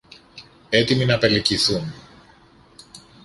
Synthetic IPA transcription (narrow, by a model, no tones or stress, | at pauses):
e̞t̪iminɐpe̞liciθun